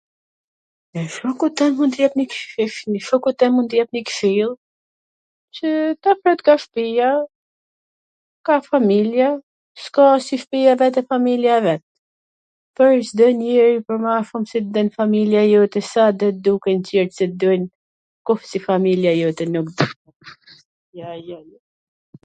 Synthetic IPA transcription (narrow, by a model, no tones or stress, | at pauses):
ɛʃukut̪ɛnmunt̪jɛpnikiʃniʃukut̪ɛnmunt̪əjɛpnikʃilˠ | t͡ʃət̪apɾɛt̪kaʃpija | kafamilja | skɔsiʃpijavɛt̪ɛfamiljaɛvɛt̪̚ | pəɾsd̪ənɛɾipəɾmafumsit̪d̪ənfamiljajɔt̪ɛsad̪ɔd̪ukɛnciɾsɛt̪d̪ɔjn | kɔfsifamiljajɔt̪ɛnukd̪uɛ | jajaj